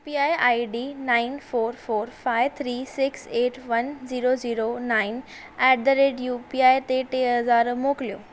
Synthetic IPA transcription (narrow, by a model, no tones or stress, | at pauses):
piaːjaːiɖiːnaɪnfoːɾfoːɾfaːɪʋt̪ʰɾiːsɪkseːʈʰʋɐnziːɾoziːɾonaːɪn | ɛʈ̚d̪əɾeːɖjupiaːjt̪eʈeɦɐzaːɾmoːklijoː